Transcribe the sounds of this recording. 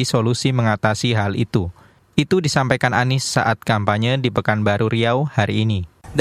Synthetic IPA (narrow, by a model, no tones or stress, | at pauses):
isolusiməŋat̪asiɦalḭt̪u | it̪udisampajkananɪsːa̰ʔat̪̚kampaɲədipəkanbaɾuɾiawhaɾiːnid